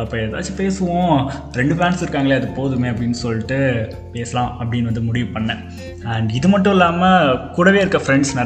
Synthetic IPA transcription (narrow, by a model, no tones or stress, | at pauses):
ɐpːɐɛða̰ːt͡ʃːipeːsɯʋõː | ɾɛɳɖɯpaːnsɪɾɯkːaːŋɡɐɭeːɐðɯpoːðɯmeːɐpːɐɽɪnːɯsɔlːɪʈːɯ | peːsɐlãːɐpːɐɽɪnːʋɐnd̪ɯmʊɽɪʋɯpɐɳːɐ | ɐɳɖɪðɯmɐʈːʊ̃ɪlːaːmɐkuːɽɐʋeːɪɾɯkːɐfɾɛɳɖsnɪ